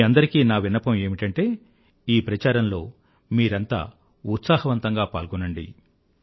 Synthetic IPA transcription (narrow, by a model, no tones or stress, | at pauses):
ɐnd̪ɐɾikiːnaːʋinːɐpɐme̞ːmiʈɐɳʈe̞ː | iːpɾɐt͡ʃaːɾɐmlo̞ː | miːɾɐnt̪a̰ː | ut̪saːhɐʋɐnt̪ɐŋɡaːpa̰ːlɡunːɐɳɖḭ